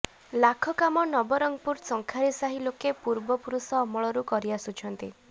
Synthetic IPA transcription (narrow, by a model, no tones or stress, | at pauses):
lakʰɔkamɔnɔbɔɾɔŋpuɾsɔŋkʰaɾisaɦilokepuɾbɔpuɾusɔːmɔɭɔɾukɔɾiasut͡ʃʰɔnt̪i